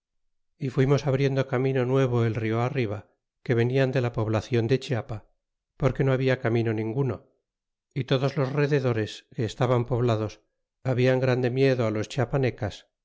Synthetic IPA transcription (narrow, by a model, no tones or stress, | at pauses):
ifwimo̞saβɾje̞nd̪o̞kamĩno̞nwe̞β̞o̞elrioariβ̞a | ke̞βe̞niand̪e̞lapo̞βlaθjo̞nd̪e̞t͡ʃeapa | po̞ɾke̞no̞aβ̞iakamĩno̞nĩŋɡuno̞ | it̪o̞ðo̞zlo̞zre̞ðe̞ðo̞ɾe̞ske̞ːst̪aβampo̞β̞laðo̞s | aβiaŋɡɾand̪e̞mje̞ðoalo̞st͡ʃapane̞kas